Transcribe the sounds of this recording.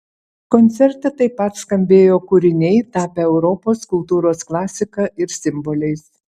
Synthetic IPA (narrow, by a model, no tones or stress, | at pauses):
kɔnʲt̪sʲɛɾt̪ɐt̪ɐɪpːɐt̪skɐmʲbʲeːjoːkuɾʲɪnʲɛɪt̪ɑːpʲɛɛʊɾɔpoːskʊlˠt̪uːɾoːsklˠɑːsʲɪkɑʔɪɾsʲɪmbɔlʲɛɪs